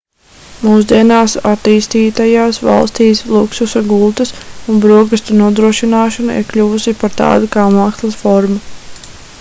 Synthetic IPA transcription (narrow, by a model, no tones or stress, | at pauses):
muːs̬d̪iɛnaːsat̪iːst̪iːt̪ajaːsʋɑ̰lˠst̪iːslˠuksusaɡulˠt̪ɨsunbɾuɔɡust̪unuɔd̪ɾuɔʃinaːʃɔnuḭɾklʲuvusipaɾt̪ɑ̰ːd̪ukaːmaːkslˠasfɔɾmu